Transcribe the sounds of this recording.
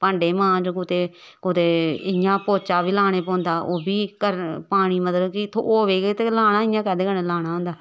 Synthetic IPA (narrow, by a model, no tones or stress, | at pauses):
pãːɳɖeːmãːd͡ʒokʊt̪eː | kʊt̪eːɪjãːpoːt͡ʃaːbiːlaːɽ̃eːpɔ̃ːnd̪aːʔoːbiːkəɾpaːɽ̃iːmət̪ləbkɪt̪ʰo̰ʔoːʋeːɡet̪eːlaːnaːɪjãːkɛːd̪eːkəneːlaːɽ̃aːɦʊ̃nd̪aː